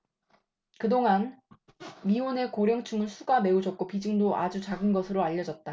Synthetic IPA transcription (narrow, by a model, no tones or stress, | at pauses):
kɯdoŋan | mione̞koɾjʌŋt͡ɕʰuŋɯnsʰuɡame̞ud͡ʑʌk̚k͈opid͡ʑɯŋdoʔa̰d͡ʑut͡ɕaɡɯnɡʌsʰɯɾoaʎːʌd͡ʑʌt̚t͈a